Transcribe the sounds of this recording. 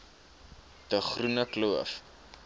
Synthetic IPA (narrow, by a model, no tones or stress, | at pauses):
d̥əχrunəkluəf